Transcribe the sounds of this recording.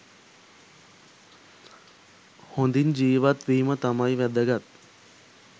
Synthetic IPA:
hõnd̪ind͡ʒiʋat̪ʋiːmɐt̪ɐmaiʋjɐd̪ʱəɡat̪̚

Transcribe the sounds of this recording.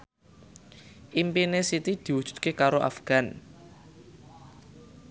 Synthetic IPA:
ʔimpinesit̪id̪̥i̤wud̥ʒ̥ṳ̥d̪̥̚kekaɾoʔa̰fɡ̥a̤n

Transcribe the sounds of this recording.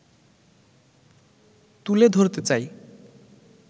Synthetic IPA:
t̪uled̪ʱoɾt̪et͡saj

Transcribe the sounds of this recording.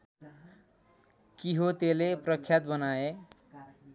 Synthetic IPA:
kiɦot̪eleprʌkʰjat̪bʌnae

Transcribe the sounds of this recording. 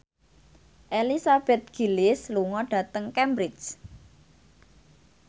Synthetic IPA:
ʔelisab̥ɛt̪̚ɡ̥i̤lɪsluŋɔɖ̥ä̤t̪əŋkɛmbɾɪt͡ʃ

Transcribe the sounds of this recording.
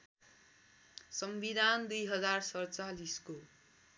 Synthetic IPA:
sʌmbid̪ʱand̪ujɦʌd͡zarsʌjt͡salisko

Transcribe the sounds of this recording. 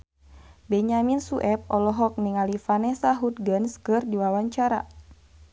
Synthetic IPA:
bɛɲaminsuʔɛp̚ɔlɔɦɔk̚niŋalifanɛsaɦut̪̚ɡənskɨrdiwawaɲt͡ʃaɾa̰

